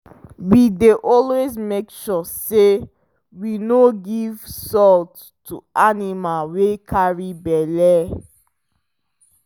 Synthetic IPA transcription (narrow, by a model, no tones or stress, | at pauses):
wideʔɔlwezmekʃɔse | winoɡiv̥sɔlt | tṵanimalwekʰaɹibɛlɛ